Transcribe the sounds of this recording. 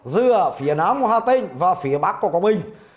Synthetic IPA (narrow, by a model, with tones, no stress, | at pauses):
zɨ˧əfi˨˦ənaː˨˦mo˧˩haː˧˩t̪ï˧ŋ̟vaː˨˩fi˨˦əɓa˦˥k̚ːu˧˩əkɔ˧˦ŋ͡mɓï˧˩ŋ̟